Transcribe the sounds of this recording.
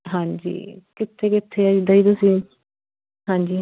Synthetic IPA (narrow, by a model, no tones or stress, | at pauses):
ɦãːd͡ʒḭːkɪt̪ʰːeːkɪt̪ʰːeːəd͡ʒd̪aːiːt̪ʊsĩː | ɦãːɲd͡ʒiː